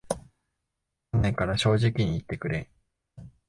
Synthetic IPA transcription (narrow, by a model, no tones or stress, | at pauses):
anːẽŋkaɾaɕo̞ːʑikʲiɲ̟iːt̪ːe̞kɯ̟ɾe̞